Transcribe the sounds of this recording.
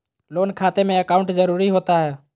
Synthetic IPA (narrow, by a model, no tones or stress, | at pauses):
loːnkʰaːt̪emẽɐkaːʊ̃ɳʈzəɾuːɾiɦoːt̪aɦɛː